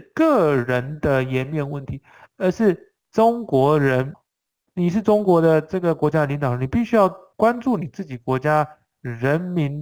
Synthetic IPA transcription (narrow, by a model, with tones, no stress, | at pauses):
kɤ˥˩ɻə˧˥nd̪ə˧jɛ˧˥nmjɛ˥˧nwə˥˩nt̪ʰi˧˥ | ə˞˧˥ʂɻ̩˥˩ | ʈ͡ʂʊ˥ŋkwɔ˧˥ɻə˧˥n | ni˨˩ʂɻ̩˥˩ʈ͡ʂʊ˥ŋkwɔ˧˥d̪ə˧ʈ͡ʂɤ˥˩ɡə˩kwɔ˧˥t͡ɕja˥˨li˧˥ŋt̪ɑ˨˩ʊə˧˥ni˨˩pi˥˩ɕy˥jɑ˥˩ʊkwa˥nʈ͡ʂu˥˩ni˨˩t͡sɹ̩˥˩t͡ɕi˨˩kwɔ˧˥t͡ɕja˥ | ɻə˧˥nmi˧˥n